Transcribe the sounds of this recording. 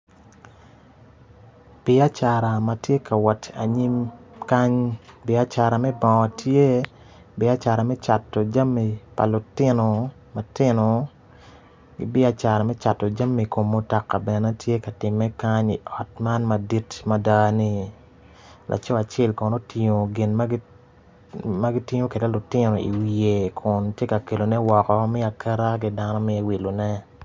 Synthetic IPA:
b̥ɪ˦a˦t͡ʃa˨ɾa˨matje˦ka˨wɔ˨ta̰˨ɲi˦mka˦ɲbɪ˨˦a˦t͡ʃa˨ɾa˨mɛ˦bɔ˨ɔ˨tʰje˦ | bɪ˦a˦t͡ʃa˨ɾa˨mɛ˦t͡ʃa˨tːo˨d͡ʒa˦mːi˨pa̰˨lʊ˨tɪ˦no˨ | ma˨tɪ˦nɔ˨ | ɡɪ̰˦bɪ˦a˦t͡ʃa˨ɾɛ˨mɛ˦t͡ʃa˨tːɔ˨d͡ʒa˦mːi˨ko˨mːo˦tɔ˨kːa˨bɛ˨nɛ˦tʰje˦ka˨tɪ˨mːɛ˦ka˦ɲḭ˨ʔɔ˨tma˦nma˨di˦tma˦da˦ni˦ | lʔa̰˨t͡ʃɔ˦a˨t͡ʃɛ˦lkɔ˨no˦tɪ˨˦ɲo˨ɡɪ˨nma˦ɡ | ma˦ɡi˦tɪ˦ɲo˦ke˨de˦lʊ˨tɪ˦nɔ˨ḭ˨wije˨kʰʊ˨ntje˦ka˨ke˨lo˨nɛ˦wɔ˨kɔ˨mi˦a˨kʰɛ˦ɾa˦ɡɪ˦da˦nɔ˦mɪ˦e˦wi˨lo˨nɛ˦

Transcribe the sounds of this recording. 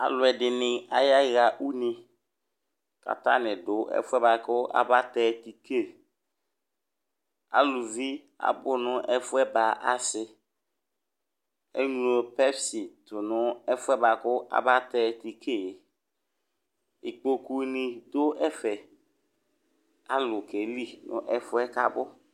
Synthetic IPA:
a̰˨lʊ˨ɛ˨dɪ˨nɪ̃˨a˨ja˦˨ɣa˨ʔu˦nɪ̃˨ | ka̰˨ta˦nɪ̃˨dʊ˦ɛ̰˦fʊ˦ɛ˦ba˨kʊ˦ʔa̰˦˨ba˦tɛ˦ti˨kʰe˦˨ | a̰˨lu˨vi˦ | a̰˨bʊ˦nʊ̃˦ʔɛ˦fʊ˦ɛ˦ba˨ʔa̰˨sɪ˦ | e˦ŋu˨lo˨pɛ˦bsi˨tʊ˨nʊ˦ɛ˦fʊ˦ɛ˦ba˨kʊ˦ʔa̰˨ba˦tɛ˦ti˨kʰe˦˨j | ɪ˨k͡po˨ku˦nĩ˨dʊ˦ɛ˦fɛ˨ | a˦lʊ˨ke˨li˦nʊ̰̃˦ʔɛ˦fʊ˦ɛ˦ka˨bʊ˦

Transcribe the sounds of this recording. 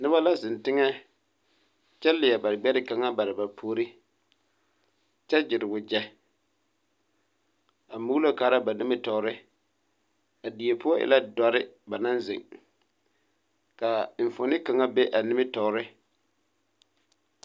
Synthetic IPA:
nɪ˦βa˦la˦zɪ˨ntɪ˦ŋɛ˦ | t͡ʃɛ˦lɪ˨ɛ˨ba˨ɾɪ˨ɡ͡bɛ˦ɾɪ˦ka˨ŋa˦ba˨ɾɪ˨ba˨pʰoː˦ɾɪ˦ | t͡ʃɛ˦d͡ʒɪ˨ɾɪ˨bʊ˨d͡ʒɛ˦ | a˨mu˦lo˦kaː˨˦ɾa˦ba˨nɪ˦mɪ˦tɔ˨˦ɾɪ˦ | a˨di˨e˨pʊ˦ɔ˦ʔɪ̰˦la˦dɔ˨ɾɪ˦ba˨na˦nzɪ̰˨ŋ | ka˨ɱ̩˨fʊ˨nɪ˦ka˨ŋa˦be˦ʔa˨nɪ˦mɪ˦tɔ˨˦ɾɪ˦

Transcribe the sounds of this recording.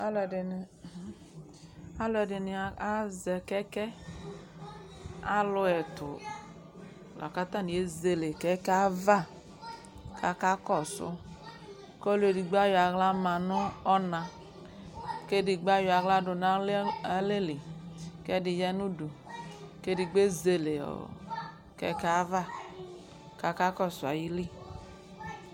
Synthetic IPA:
a˦lɛ˨dɪ˨n˨˦ | a˦lʊ˦ɛ˨dɪ˨nɪ˨a˦zɛ˨kɛ˦kɛ˦ | a˦lʊ˧ɛ˨tʊ̰˨ | lɔ̰˨ka˦ta˦˨ni˨e˦ze˨le˨kɛ˦kɛ˦a˦va˦˨ | kʰa˦ka˦kɔ˦˨sʊ̰˦ | kɔ˦le˧˨di˧ɡ͡ba˦jɔ˨a˨ɣla˦ma˧nʊ˦ɔ˦na˧ | ke˦di˧ɡ͡ba˦jɔ˧a˨ɣla˧dʊ˧na˨˦a˨˦le˦li˨kɛ˦di˧jɛ˦nu˦du˨ke˦di˧ɡ͡be˦ze˧le˨ɔ̰˨ | kɛ̰˧˦ka˦va˦˨ | ka˨˧˦ka˦kɔ˦˨sʊ˨a˨ji˦li˦˨

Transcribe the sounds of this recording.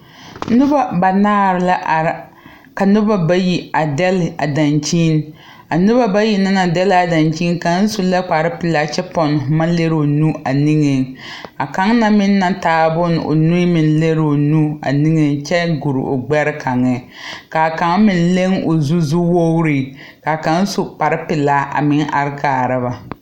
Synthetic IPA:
nʊ˦ba˦ba˨naː˦ɾɪ˨la˦ʔa˨ɾ | ka˨nʊ˦ba˦ba˦ji˨a˨dɛ˦lɪ˨a̰˨da˨nt͡ʃiː˦n | a˨nʊ˦ba˦ba˦ji˨na˦na˨dɛ˦la˨da˨nt͡ʃi˦n˦ka˨n̩˦su˨˦la˦k͡pa˨ɾɪ˦pɪ˨la˨˦t͡ʃɛ˦pɔ˨n˨ma˦le˦ɾo˨nu˦a˨ni˦ŋɛ˨ | a˨ka˦ŋna˦mɪ˦nː˦a˦taː˨˦bʊ˦n˨o̰˨nu˦i˦mɪ˨n˦le˦ɾo˨nu˦a̰˨ni˦ŋɛ˨t͡ʃɛ˦ɡu˨ɾ̰o̰˨ɡ͡bɛ˦ɾɪ˦kʰa˨ŋɛ˨ | ka˨ka˨˦ŋ˦mɪ˨n˦le˦ŋo˨zu˦zu˦wo˦wɾi˨ | ka˨ka˨n˦su˨k͡pa˨ɾɪ˦pɪ˨la˨˦ʔa̰˨mɪ˦ŋa˨ɾɪ˦kaː˨ɾɨ˦ba˨

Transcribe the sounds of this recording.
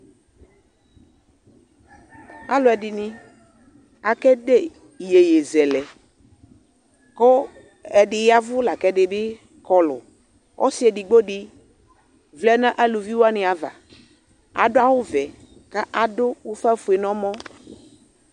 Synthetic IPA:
a˦lʊ˨ɛ˨ɖi˨nĩ˦ | a˨kɛ˦ɖe˦˨ | je˨je˨zɛ˨lɛ˨ | kɔ˦ | ɛ˨ɖɪ˨ja˦vʊ˦la˨kɛ˦ɖe˨be˦ | kɔ˦lʊ̰˨ | wɔ̰˦si˦ɛ˨ɖi˨ɡ͡bo˦ɖi˦ | vlɛ˦nã˦ʔa˦lu˨vi˦wo˦a˦nɪ̃˨a˨va̰˨ | a̰˨ɖʊ˦a˦wo˦vɛ˨ | ka˦ʔa˨dʊ˦wo˦fa˦fu˨e˨nɔ̃˦mɔ̃˦

